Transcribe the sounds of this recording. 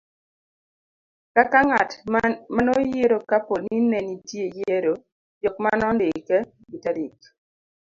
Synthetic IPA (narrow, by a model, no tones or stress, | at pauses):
kakaŋatmanɔjeɾokaponinɛnitjejeɾo | jɔk̚manɔndɪkɛ | bitaɾik